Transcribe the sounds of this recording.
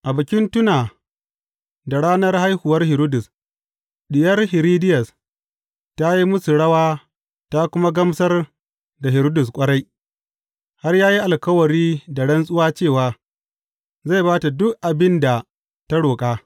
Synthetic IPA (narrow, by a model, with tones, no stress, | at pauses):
ʔa˨bɪ˨kʲɪ˦ntʊ˦naː˨ | da˨ɽaː˦nɐ˦rha˦jhʊ˨wɐ˦rhɪ˨ɾo˦dʊ˨s | ɗɪ˨jɐ˦rhɪ˨ɾiː˦dɪ˦jɐ˨s | ta˦ji˦mʊ˦su˨ɽɐ˦waː˦ | ta˦kʷʊ˦ma˦ɡɐ˦msɐ˦r | da˨ɦɪ˨ɾo˦dʊ˨skʷʼɐ˦ɽa˦j | ha˦rjaː˦ji˦ʔa˨lkɐ˦wɐ˨ɾiː˦da˨ɽɐ˦nsʼʊ˦waː˦t͡ʃeː˦˨waː˨ | za˦˨baː˦ta˨dʊ˦kʔa˨bɪ˦nda˨ | ta˦ɽoː˨kʼaː˦